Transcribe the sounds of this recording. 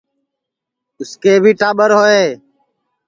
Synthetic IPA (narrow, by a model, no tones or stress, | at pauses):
ʊskeːbʱiːʈaːɓəɾɦoːeː